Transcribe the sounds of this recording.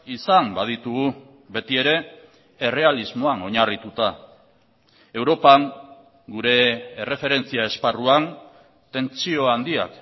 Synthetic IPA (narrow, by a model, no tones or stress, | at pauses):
isambað̞it̪uɣu | βe̞t̪ie̞ɾe̞ː | re̞alizmo̞ano̞ɲarit̪ut̪a | e̞wɾo̞paŋ | ɡuɾe̞ːre̞fe̞ɾe̞nt͡siae̞sparuan | t̪e̞nt͡sio̞and̪ia̰k